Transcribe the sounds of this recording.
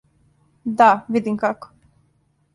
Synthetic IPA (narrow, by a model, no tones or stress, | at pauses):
d̪aʋid̪imkako̥